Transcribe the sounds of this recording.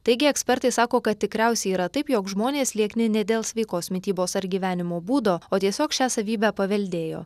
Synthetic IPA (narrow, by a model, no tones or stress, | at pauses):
t̪ɐɪɡʲɪɛksʲpʲɛɾt̪ɐɪsɑːkoːkɐt̪̚ʲt̪ːʲɪkɾʲæˑʊsʲɛɪiːɾɐt̪ɐɪpjoːkʒmoːnʲeːslʲiɛknʲɪnʲɛd̪ʲeːlˠsʲʋʲɛɪkoːsmʲɪt̪ʲiːboːsɐɾɡʲiːʋʲæːnʲɪmoːbuːd̪oːoːt̪ʲiɛsʲoːkʃʲæːsɐʋʲiːbʲæpɐʋʲɛlʲd̪ʲeːjo̰ː